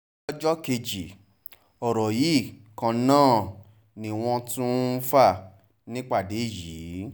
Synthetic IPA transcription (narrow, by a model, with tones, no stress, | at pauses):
ɔ˦d͡ʒɔ˦ke˧d͡ʒi˨ | ɔ˨ɾɔ˨ji˨˦˨kã˧nãː˦˨ | nĩ˨˧w̃ɔ̃˧tũ˦fa˦˨ | nĩ˦k͡pa˦˨de˨˦i˦˨jiː˨˦